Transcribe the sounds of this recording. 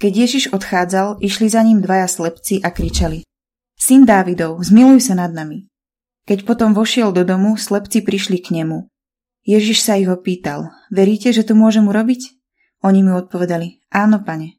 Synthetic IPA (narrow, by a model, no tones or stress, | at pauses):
kɛɟɪjɛʒiʒɔt̪xaːd͡zaliʃlizaɲimd̪ʋajaslɛpt͡siʔakɾit͡ʃali | sind̪aːʋid̪ɔʊzmilujsanad̪̚nami | kɛcpɔt̪ɔmʋɔʃɪɛld̪ɔd̪ɔmuslɛpt͡sipɾiʃlikɲɛmu | jɛʒiʃsaiɦɔpiːt̪a̰l | ʋɛɾiːcɛʒɛt̪ɔmʊɔʒɛmuɾɔbic | ɔɲimuɔt̪̚pɔʋɛd̪ali | ʔaːnɔpaɲɛ